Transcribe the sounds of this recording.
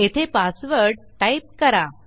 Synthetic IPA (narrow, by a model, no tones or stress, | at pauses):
et̪ʰepasʋəɾɖ | ʈajp̚kəɾa